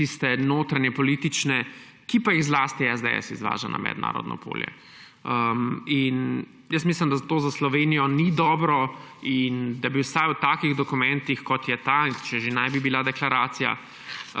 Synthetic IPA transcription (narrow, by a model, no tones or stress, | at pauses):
t̪ist̪ɛnoːt̪ɾanjɛpɔlit̪it͡ʃnɛ | kipajiɣzlaːst̪iɛzd̪ɛɛ̰sḭzʋa̰ːʒana̰mɛ̰d̪na̰ːɾɔ̰d̪nʔɔ̰pʰo̰ːljɛ̰ | əmin | jəsmislimd̪at̪oːzaslɔʋeːnijɔnid̪ɔːbɾɔind̪abiwsajwt̪aːkiɣd̪ɔkumɛnt̪ixkɔt̪jɛt̪at͡ʃɛʒenajbibilad̪ɛklaɾaːt̪sija̰